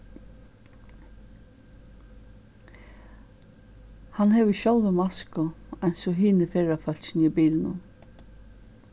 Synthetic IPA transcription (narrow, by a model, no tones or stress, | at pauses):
hɑnheːʋəʃɔlʋəmɑskɔænsɔɦiːnəfeːɹafœlʃniːbiːln̩ʊm